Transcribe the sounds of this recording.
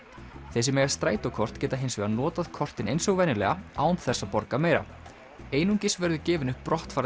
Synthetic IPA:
θɛs̬ɪmɛjɣast̪ɾaːjt̪ɔkʰɔr̥t̪cɛːt̪aɦejnsvɛɣanɔːt̪aðkʰɔr̥t̪ɪnejnsɔɣvɛːnɪlɛ̰ɣaaːwnt̪θɛsːapɔɾkameːjɾa̰ | eːjnuŋcɪsvɛɾðʏcɛːvɪnʏhpːɾɔht̪faːɾ

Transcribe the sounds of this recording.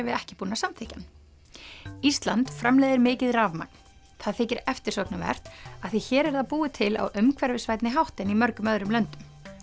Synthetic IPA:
ɛvɪðɛhcɪpuːnasamθɪhcan | ist̪lant̪fɾamlɛːjðɪɾmɪːcɪðravma̰k̚n̥ | θaðθɪːcɪɾɛft̪ɪɾ̥sɔknɪvɛ̰r̥t̪aðθiçɛːɾɛɾðaðpuːɪt̪ʰɪla̰wʏmkʰvɛɾvɪsvajt̪nɪɦawht̪ɪnimœɾkʏmœðɾʏmlœnt̪ʏm

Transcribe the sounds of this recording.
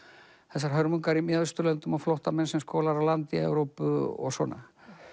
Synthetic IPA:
θɛsːaɾ̥ɦœɾmuŋkaɾimjaðʏst̪ʏɾlœnt̪ʏmaflowht̪amɛnsɛmskoːlaɾawlant̪iɛ̰wɾowpʏɔ̰ɣsɔ̰ːna̰

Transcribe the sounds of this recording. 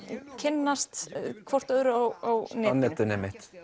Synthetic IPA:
cʰɪnːast̪kʰvɔr̥t̪œðɾʏawawnɛːnːɛt̪ʏnɛmɪht̪

